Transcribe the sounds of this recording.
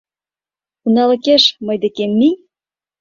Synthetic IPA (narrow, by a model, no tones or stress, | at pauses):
unɑlɤ̆keʃmɤ̆jd̪ĕkemːi